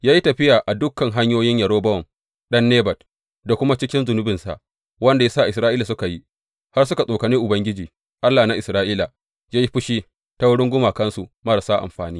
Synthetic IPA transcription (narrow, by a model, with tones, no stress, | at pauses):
jaː˦ji˦tɐ˨ɸɪ˦jaː˨ʔa˨dʊ˦kːɐ˨ŋɦa˦ɲjoː˦jɪ˦ɲjɐ˨ɾoː˦bɐ˦wɔ˨m | ɗɐ˦nːeː˦bɐ˨t | da˨kʷʊ˦ma˦t͡ʃɪ˦kʲɪ˦nzʊ˨nʊ˦bɪ˨nsa̰˨ʔ | wɐ˦nda˨ja˦saː˦˨ʔɪ˨sɾaː˦ʔiː˦la˨s̬ʊ˦ka˨ji˦ | ha˦rsʊ˦ka˨sʼoː˨kɐ˨niː˦ʔʊ˨bɐ˦ŋɡʲɪ˦d͡ʒiː˨ | ʔa˦lːaː˨na˨ʔɪ˨sɾaː˦ʔiː˦la˨ | jaː˦ji˦ɸʊ˦ʃiː˦ | ta˦wʊ˦ɽɪ˦ŋɡʷʊ˦maː˨kɐ˦nsu˨mɐ˦ɾa˨saː˦ʔa̰˨mɸaː˨niː˦